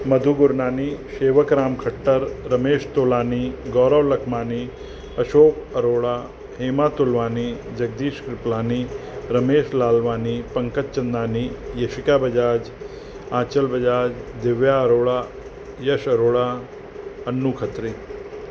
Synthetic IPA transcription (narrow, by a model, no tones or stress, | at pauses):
mɐd̪ʱuɡʊɾnaːniʃeːʋəkɾaːmkʰɐʈːəɾːɐmeːʃt̪oːlaːniɡɔːɾəʋlɐkʰmaːni | ɐʃoːkɐɾoːɭaː | heːmaːt̪ulʋaːni | d͡ʒɐɡ̚d̪iːʃkɾɪplaːniɾɐmeːʃlaːlʋaːnipɐŋkət̪t͡ʃɐnd̪aːnijɐʃikaːbɐd͡ʒaːd͡ʒ | ãːt͡ʃəlbɐd͡ʒaːd͡ʒd̪ɪʋjaɐɾoːɭa | jɐʃɐɾoːɭa | ɐnːukʰət̪ɾi